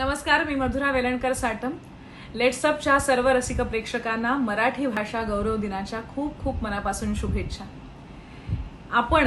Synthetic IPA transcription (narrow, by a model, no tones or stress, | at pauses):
nəməskaɾmiːməd̪ʱuɾaʋeləɳkəɾsaʈʰəm | leʈsəp̚t͡ɕjasəɾʋəɾəsikəpɾekʂəkanːaməɾaʈʰiːbʱaʂaɡəwɾəʋd̪inat͡ɕjakʰuːb̚kʰuːpməɾapasuːnɕubʱetɕʰa | apəɳ